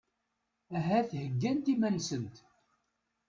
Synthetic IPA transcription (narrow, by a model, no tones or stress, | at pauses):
æɦæθhəɡːænt̪imænsənt̪